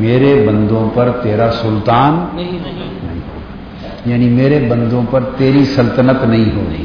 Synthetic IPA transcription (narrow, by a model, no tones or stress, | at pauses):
meːɾebɐ̃nd̪õpɐɾt̪eːɾasʊlt̪aːn | nɐĩɦo̰ːa | jaːnimeːɾebɐ̃nd̪õpɐɾt̪eːɾisɐlt̪ənət̪nɐĩɦoːlḭː